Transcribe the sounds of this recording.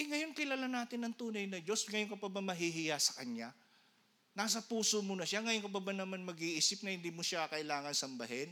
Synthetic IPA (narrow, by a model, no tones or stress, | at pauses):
ɪŋɐjo̞nkɪlalanaːt̪ɪnɐŋt̪uːnɐjnɐd͡ʒo̞sŋɐjoŋkɐpɐbamɐɦiɦɪjasɐ̥kɐɲːa | naːs̬ɐpuːsomonɐʃaŋɐjoŋkɐpɐbanɐmanmɐɡiʔiːsɪp̚nɐhɪnd̪iːmoʃakɐʔɪlaːŋɐnsɐmbɐɦɛn